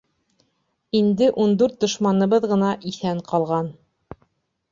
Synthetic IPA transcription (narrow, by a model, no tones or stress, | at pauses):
ind̪ɘʔund̪ʉɾt̪̚d̪ŏʃmɑnɤ̆βɤðʁɤ̆nɑʔiθæɴqɑlˠʁɑn